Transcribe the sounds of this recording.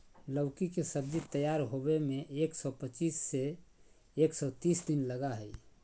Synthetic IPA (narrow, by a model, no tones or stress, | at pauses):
ləʊkikesəb̚d͡ʒit̪əjaɾɦobemeʔeksɔpət͡ʃiːsːeː | ksɔt̪iːsd̪inləɡaɦɛj